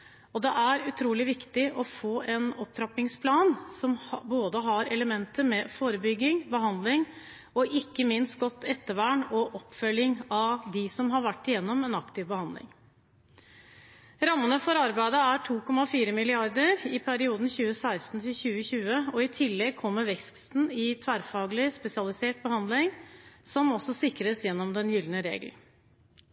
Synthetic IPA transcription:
ɔd̪ɛʔæɾʉt̪ʰɾuːlɪʋɪkt̪ɪʔɔfoːʔɛnɔp̚tʰɾɑpɪŋspʰlɑːnsɔmboːd̪əɦɑɾɛləmɛnt̪əmɛfoːɾəbʏɡːɪŋbəɦɑnd̪lɪŋ | ɔʔɪkːəmɪnst̪̚ɡɔt̪ːɛt̪ːəʋæɳɔʔɔpːfœlːɪŋɑʋd̪ɪsɔmɦɑɾʋæʈːɪjɛnːɔmɛnɑkt̪ɪʋbəhɑnd̪lɪ̰ŋ | ɾɑmːənəfɔɾɑɾbæɪd̪əæʈʰuːkʰɔmːɑfiːɾəmɪlɪɑɾd̪əɾɪpʰæɾɪuːd̪n̩çʉːəsæɪst̪n̩t̪ʰɪlçʉːəçʉːəɔɪt̪ʰɪlːɛɡ̚kʰɔmːəɾʋɛkst̪n̩ɪt̪ʰʋæːɾfɑːɡlɪspɛsɪɑlɪseːʈ̚bəhɑnd̪lɪŋsɔmɔsːɔsɪkɾəsjɛnːɔmd̪ɛnjʏlnəɾḛːɡl̩

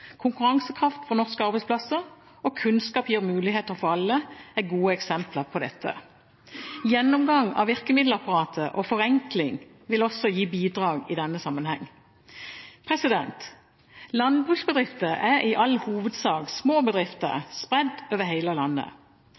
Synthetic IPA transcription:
kʰʊŋkʉʁɑŋsəkʰʁɑft̪fɔnɔʁskəɑʁbɛɪsplɑsəʁ | ɔkʰʉnskɑːpjiːʁmʉːlɪheːt̪əɾfɔʁɑlːəæɡuːəɛksɛmpləʁpʰɔd̪ɛt̪ʰːə̰ | jɛnːɔmɡɑŋːɑ̰ʋɪʁkəmɪd̪l̩ɑpɑʁɑːt̪ʰəʔɔfɔʁɛŋklɪŋ | ʋɪlɔsːɔjiːbiːd̪ʁɑːɡɪd̪ɛnːəsɑmːənhɛ̰ŋː | pʰʁɛsɪd̪ɛ̰nt̪ | lɑnd̪̚bʁʉːksbəd̪ʁɪft̪əʔæɾɪʔɑlhuːʋəd̪sɑːɡsmoːbəd̪ʁɪft̪ə̰ʁspʁɛd̪ːøːʋəɦæɪləlɑnːə̰

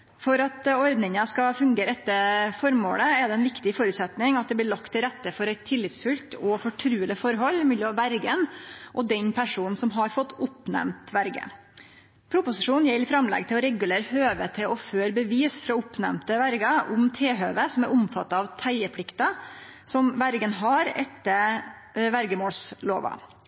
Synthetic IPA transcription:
fɔɾɑt̪ɔɾd̪nɪŋəskɑfʉŋɡeːɾɛt̪ːəfɔɾmo̰ːləɛd̪ɛɛnʋɪkt̪ɪfɔɾʉːt̪sɛt̪nɪŋɑt̪̚d̪ɛblɪːɭɑkt̪ʰːɪlɾɛt̪ːəfɔɾɛɪt̪ʰːɪlːɪt̪sfʉlt̪ʰɔfɔʈʰɾʉːəlɪfɔɾɦɔlːɪmʉːlːɪɑʋæɾɡənʔɔd̪ɛnpʰæʂuːnn̩sɔmɦɑɾfɔt̪ːʊpnæ̰mt̪ʋæɾɡə̰ | pʰɾʊpʊsɪʂuːnn̩jɛlːɪfɾɑmlɛ̰ɡt̪ʰɪlɔɾɛɡʉleːɾəhøːʋət̪ʰɪlʔɔføːɾbəʋiːsfɾɑʊpnæ̰mt̪əʋæɾɡɑʊmt̪ʰeːɦøːʋəsɔmæɾʊmfɑt̪ːɑɑʋt̪ʰæɪəpʰlɪkt̪ɑ | sɔmʋæɾɡənɦɑɾɛ̰t̪ːə | ʋæɾɡəmoːlslo̰ːʋɑ̰

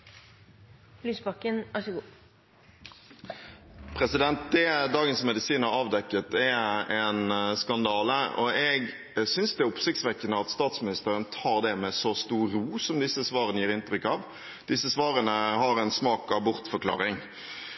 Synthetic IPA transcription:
lyːsbɑkːənɑəɡuː | pʰɾɛsɪd̪ɛnt̪̚d̪ɛd̪ɑːɡənsmɛd̪ɪsiːnhɑɾɑːʋd̪ɛkːət̪ɛɛnskɑnd̪ɑːləɔ̰ɛɡ | sʏnsd̪ɛʊpsɪkt̪sʋɛkːənəɑt̪st̪ɑːt̪smɪnɪst̪əɾənət̪ʰɑːʁd̪ɛmɛsɔst̪uːɾuːsɔmd̪ɪsːəsʋɑːɾʁənəjiːɾɪnt̪ɾʏkːɑːʋ | d̪̥ɪsːəsʋɑːɾənəhɑɾɛnsmɑːkɑʋbʊɾt̪fɔɾkʰlɑ̰ːɾɪŋ

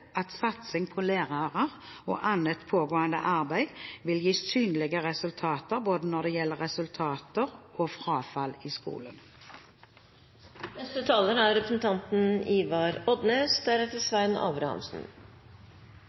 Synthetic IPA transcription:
ʔɑt̪sɑt̪sɪŋpʰɔleːʁɑʁəʁ | o̰ːʔɑnət̪pʰoːɡoːənd̪ə̰ʔɑʁbæɪʋɪljiːsyːnlɪɡəʁɛsʉlt̪ʰɑːt̪əʁboːd̪ənɔd̪ɛjɛlːəʁɛsʉlt̪ʰɑːt̪əʁoːfʁɑːfɑliːskṵːlən | nɛst̪ət̪ʰɑːləɾæɾɾɛpɾəsn̩t̪ʰɑnt̪n̩iːʋɑɾɔd̪neːsd̪æɾɛt̪əsʋæɪnɑ̰ːbɾɑhɑ̰msn̩

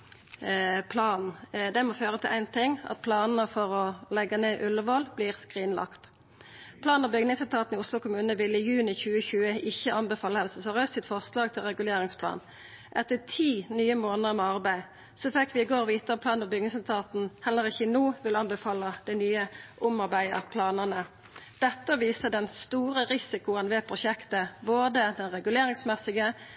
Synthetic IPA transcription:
pʰlɑːnn̩d̪ɛmɔføːʁət̪ʰɪlʔæɪnt̪ʰɪŋːɑ̰t̪̚pʰlɑːnn̩əfɔʁɔlɛɡəneːʔʉləʋoːlbliːʁskʁiːnlɑ̰kt̪ | pʰlɑːnɔbʏɡnɪŋsɛlt̪ʰɑːt̪n̩ɪʊslʊkʰʊmʉːnəʋɪlːɪjʉːnɪçʉːəçʉːəɪçːəʔɑnbəfɑːlːəhɛlsəsɔʁœst̪sɪt̪fɔʁslɑːɡ̚t̪ʰɪlʁɛɡʉleːʁɪŋspʰlɑ̰ːn | ʔɛt̪ət̪ʰiːnyːəmoːnəəmɛɑʁbæɪ | sɔfɛkːʋɪɪɡoːʁʋiːt̪əpʰlɑːnɔbʏɡnɪŋsɛlt̪ʰɑːt̪n̩hɛlːəʁɪçənuːʋɪlɑnbəfɑːləd̪̥æɪnyːəʔʊmɑʁbæɪə̰pʰlɑːnənə | d̪̥ɛt̪ːəʋiːsəd̪ɛnst̪uːɾəʁɪsɪkʊənʋɛːpʰʁʊʃɛkt̪əboːd̪əd̪ɛnʁɛɡʉleːʁɪŋsmɛsɪɡə

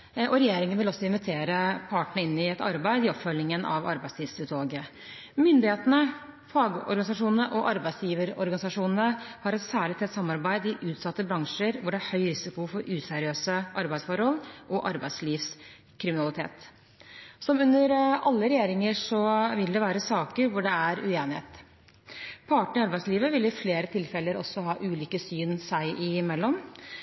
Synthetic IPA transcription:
ʔɔɾɛjeːɾɪŋənʋɪlɔsːɔɪnʋɪt̪ʰeːɾəpʰɑːʈəɳəɪnːɪɛt̪ɑɾbæɪd̪ɪɔpfœlːɪŋənʔɑ̰ʋɑ̰ɾbæɪsiːʋst̪ʉt̪loːɡə | mʏnd̪ɪheːt̪ənə | fɑːɡɔ̰ɾɡɑnɪsɑʂuːnənəʔɔʔɑɾbæɪsjiːʋəɾɔ̰ɾɡɑnɪsɑʂuːnnəhɑɾɛt̪sæːɭɪt̪ʰːɛt̪sɑmːɑɾbæɪd̪ɪʔʉːt̪sɑt̪ːəbɾɑŋʂəɾʋʊɖɛæɾhœʏɾɪsɪkʊfɔɾʉːsɛɾɪøːsəʔɑɾbæɪsfɔɾhɔlʔɔʔɑɾbæɪd̪sliːfs | kʰɾɪmɪnɑlɪt̪ʰḛːt̪ | sɔmʉnːəɾɑlːəɾɛjeːɾɪŋəʂɔʋɪld̪ɛʋæːɾəsɑːkəɾʋʊɖɛæɾʉ̰eːnɪhḛːt̪ | pʰɑːʈəɳɪɑɾbæɪsliːʋəʋɪlɪfleːɾət̪ʰɪlfɛlːəɾɔ̰sːɔɦɑːʔʉːliːkəsyːnsæɪʔɪmɛlːɔm

